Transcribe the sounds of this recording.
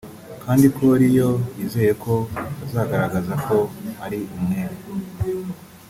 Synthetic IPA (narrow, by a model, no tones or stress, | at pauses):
kʰaːndikʰoɾijo̞ize̞ːje̞kʰo̞azaːɡaɾaɡazako̞haɾiumŋeɾ